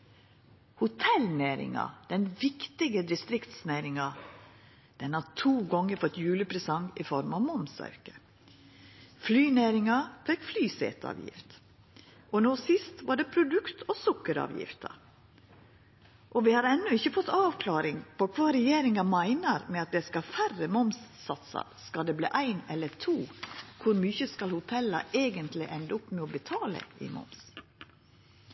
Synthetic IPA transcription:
hʊt̪ʰɛlneːɾɪ̰ŋɑ̰d̪̥ɛnʋɪkt̪ɪɡəd̪ɪst̪ɾɪkt̪snæɪɾɪŋɑ | d̪̥ɛnhɑt̪ʰuːɡɔŋːəɾfɔt̪jʉːləpʰɾɛsɑŋɪfɔɾmɑʋmɔmsœ̰ɾkə̥ | flyːneːɾɪŋɑfɛkflyːsḛːt̪ɑ̰ːʋjɪ̰ft̪ | ɔnoːsɪst̪ʋɑːɖɛpʰɾʊd̪ʉkt̪ʰɔsʊkːəɾɑ̰ːʋjɪ̰ft̪ɑ̰ | ʔɔʋɪhɑɾɛnːʊɪçːəfɔt̪ːɑːʋkʰlɑːɾɪŋpɔkʰʋɑːɾɛjeːɾɪŋɑmæɪnəɾmɛɑt̪̚d̪ɛskɑfærəmɔmsːɑt̪sɑ̰ɾskɑld̪ɛblḭːʔæɪnɛlːət̪ʰuːkʰʊɾmyːçəskɑlhʊt̪ʰɛlːɑ̰eːɡənt̪lɪʔɛnd̪əʊpːmɛɔbət̪ʰɑːlə̰ɪ̰ːmɔ̰ms

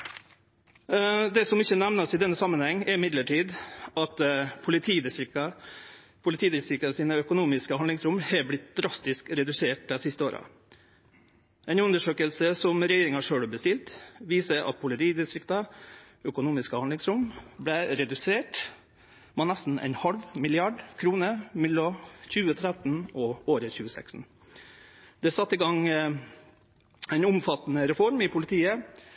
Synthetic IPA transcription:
d̪ɛsɔmɪçənæʋnəsɪd̪ɛnːəsɑmːənhɛŋːɛɾɪmɪd̪ləʈʰiːd̪ɑt̪pʰʊlɪt̪ʰiːd̪ɪsɾɪɑ | pʰʊlɪt̪ʰiːd̪ɪst̪ɾɪkt̪ɑsiːnəœkʊnuːmɪskəhɑnd̪lɪŋsɾʊmhɛblɪt̪̚d̪ɾɑst̪ɪskɾɛd̪ʉseːʈəsɪst̪əoːɾɑ̰ | ɛɪnʉnd̪əʂøːkəlsəsɔmɾɛjeːɾɪŋɑʂøːɽɑbəst̪ɪlt̪ʋiːsəʔɑ̰t̪̚pʰʊlɪt̪ʰiːd̪ɪst̪ɾɪkt̪ɑ | œkʊnuːmɪskəhɑnd̪lɪŋsɾʊmblɛɾɛd̪ʉseːʈ | mɛːnæst̪n̩ɛ̰ɪnhɑlʋmɪlɪɑɖkʰɾuːnəmɛlːɔçʉːət̪ʰɾæt̪n̩ɔoːɾəçʉːəsɛæ̰ksn̩ | d̪̥ɛsɑt̪ːɪɡɑŋ | ɛɪnʊmfɑt̪ːənəɾɛfɔɾmɪpʰʊlɪt̪ʰiːə

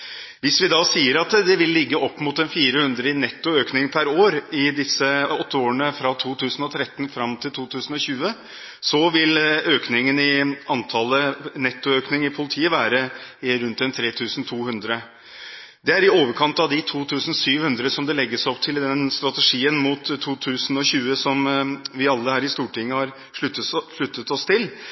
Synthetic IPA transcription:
ʋɪsʋɪd̪ɑːsiːəɾɑt̪d̪ɛʋɪlːɪɡːəʔɔpːmʊt̪ɛnfiːɾəhʉnd̪ɾəɪnɛt̪ːʊøːknɪŋpʰæɾoːɾɪd̪ɪsːəɔt̪ːəoːəɳəfɾɑt̪ʰuːt̪ʰʉːsn̩ɔt̪ʰɾɛt̪ːnfɾɑmt̪ʰɪlt̪ʰuːt̪ʰʉːsn̩ɔɕʉːə | sɔʋɪløːknɪŋənɪɑnt̪ʰɑlənɛt̪ːʊøːknɪŋəɪpʰʊlɪt̪ʰiːəʋæːɾəɪɾʉnt̪ɛnt̪ʰɾeːt̪ʰʉːsn̩t̪ʰuːhʉnd̪ɾə | d̪ɛæɾɪoːʋəɾkʰɑnt̪ɑʋd̪ɪt̪ʰuːt̪ʰʉːsn̩syːʋhʉnd̪ɾəsɔmd̪ɛlɛɡːəsɔpt̪ʰɪld̪ɛnst̪ɾɑt̪əʂiːənmuːt̪ʰːuːt̪ʰʉːsn̩ɔɕʉːəsɔmʋɪɑlːəhæːɾɪst̪uːʈɪŋːəhɑɾ | ʂʂɭʉt̪ːət̪ɔst̪ʰɪl

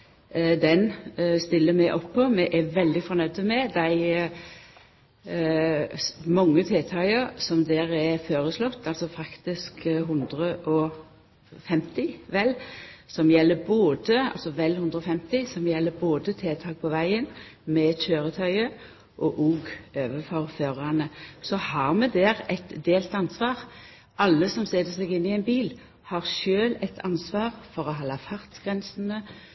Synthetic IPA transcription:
d̪ɛnst̪ɪlːəmɛɪʔɔpːɔmɛʔɛʋɛld̪ɪfɔɾnœd̪əmɛd̪æɪ | mɑŋːət̪ʰeːt̪ʰɑəɾsɔmd̪eːɾæɾføːɾəslɔt̪ːɑlsɔfʰɾɑkt̪ɪskɦʉnd̪ɾəʔɔ | fɛmt̪ɪʋɛlːsɔmjɛlːəboːd̪əɑ̰lsɔʋɛlhʉnd̪ʁəɔfɛmt̪ɪsɔmjɛlːəboːd̪ət̪ʰeːt̪ʰɑːk̚pʰɔʋæɪənmɛçøːɾət̪ʰœʏə | ʔɔʔuːɡøːʋəfɔʁføːɾɑnəsɔhɑːʁmɛd̪ɛːʁɛt̪d̪eːlt̪ɑnsʋɑːʁ | ʔɑlːəsɔmsɛːt̪əsɛɡɪnːɪɛnbiːl | hɑʁʃøːlɛt̪ʰɑnsʋɑːʁfɔʁɔɦɑlɑfɑʁt̪ɡ̥ʁɛnsənə

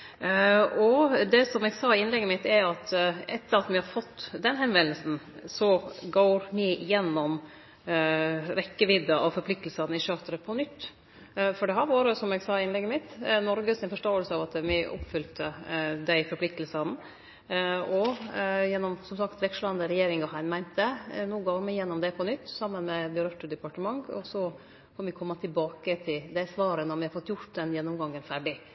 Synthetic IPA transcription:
ɔd̪ɛsɔmɛɡsɑːɪɪnlɛɡːəmɪt̪ːæɑt̪ʔɛt̪ːəɾɑt̪mɪhɑɾfɔt̪ːd̪ɛnɦɛnʋɛnəlsn̩sɔɡoːɾmɪɪjɛnːɔm | ɾɛkːəʋɪd̪ɑʔɔfɔɾpʰlɪk̚t̪l̩sɑnɪʃøːt̪əɾəpʰɔnʏt̪ː | fɔɖɛɦæɾʋɑːɾəsɔmɛɡsɑːɪnlɛɡːəmɪt̪ːnɔɾɡəsɪnfɔʂʈoːəlsəɑʋɑt̪mɪʔʊ̰pːfʏlt̪ʰəd̪æɪfɔɾpʰlɪk̚t̪lsɑn | ɔjɛnːɔmsɔmsɑkt̪ʋɛkʂəlɑnd̪əɾɛjeːɾɪŋɔɦæɪnmæɪnt̪ənuːɡɑːmɪjɛnːɔmd̪ɛpʰɔnʏt̪ːsɑmːənmɛbəɾœt̪ːəd̪ɛpɑʈəmɑŋɔ̰sɔ | foːɾmʋɪkʰɔmːɑt̪ʰɪlbɑːkət̪ʰɪld̪ɛsʋɑːɾənɔmɪhɑɾfɔt̪ːjʊʈd̪ɛnjɛnːɔmɡɑŋːənfæɖɪ

